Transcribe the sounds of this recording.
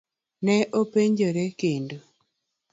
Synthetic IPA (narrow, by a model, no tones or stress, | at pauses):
nɛʔopeɲd͡ʒoɾɛkendo